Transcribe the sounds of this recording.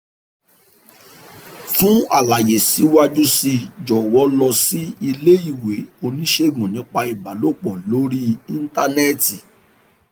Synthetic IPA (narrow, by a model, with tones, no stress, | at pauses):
tũ˦a̰˦˨la˨je˨si˨˦wa˦d͡ʒu˦si˧d͡ʒɔ˨wɔ˨˦lɔ˧si˦i˧le˦i˦˨we˨˦o˧nĩ˦ʃe˦˨ɡũ˨nĩ˨˦k͡pa˧i˨ba˨lo˦˨k͡pɔ˨lo˦ɾi˦i˦n̩˦ta˧nɛ˦˨ti˨